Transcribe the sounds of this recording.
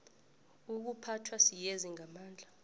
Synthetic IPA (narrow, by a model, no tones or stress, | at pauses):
uk̬upʰatʰwasijeziŋamaːnd͡ɮʱa